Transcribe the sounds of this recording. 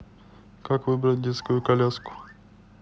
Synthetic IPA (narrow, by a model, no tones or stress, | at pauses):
kakvɨbɾat̚ʲdʲɛt̪skojukalʲasku̥